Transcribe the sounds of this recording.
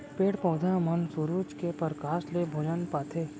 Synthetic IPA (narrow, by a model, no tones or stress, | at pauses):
peːʈpɔːd̪ʱamɐnsuɾuːt͡ʃkepəɾkaːslebʱoːd͡ʒənpaːt̪ʰeː